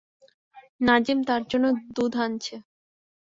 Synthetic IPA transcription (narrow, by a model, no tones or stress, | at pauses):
nad͡ʑimt̪aɾd͡ʑonːod̪ud̪ʱant͡ɕʰe